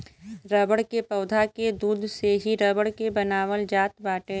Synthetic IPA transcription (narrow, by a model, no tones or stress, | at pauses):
ɾəːbəɽkepɐːd̪ʱaked̪uːd̪ʱseɦiɾəbəɽkebɐnaːʋəld͡ʒaːt̪baːʈẽː